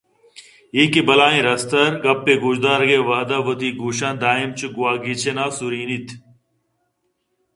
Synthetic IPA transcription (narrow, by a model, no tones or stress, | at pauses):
iːkibɐlaːĩːɾɐst̪ɐɾɡɐpːeːɡud͡ʑd̪aːɾɡeːʋaːd̪aʋɐt̪iːɡuːɕãːnd̪aːimt͡ɕʰuɡuwaːɡiːt͡ɕʰenaːsuɾiːnit̪ʰ